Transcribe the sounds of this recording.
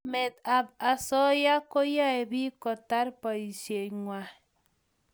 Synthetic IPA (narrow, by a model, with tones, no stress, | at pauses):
me˨t̪a˨a˨sɔ˦ja˦ko˦ja˦e˨βi˦kɔ˨ta˦ɾpa˨i˨se˨ŋwa˨